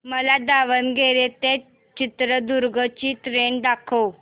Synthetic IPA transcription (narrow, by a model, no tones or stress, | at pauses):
məlad̪aʋənɡeɾet̪e | t͡ɕit̪ɾəd̪uɾɡət͡ɕiːt̪ɾenɖ̪akʰəw